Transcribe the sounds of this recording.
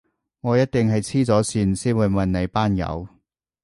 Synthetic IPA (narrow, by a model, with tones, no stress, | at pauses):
ŋɔː˨˧jɐ˥t̚t̪ɪ˨ŋɦɐ˨jt͡sʰiː˥t͡sɔː˨˥siː˧nsiː˥nwuː˨˧jmɐ˨nne˨˧jpaː˥njɐ̰˨˧w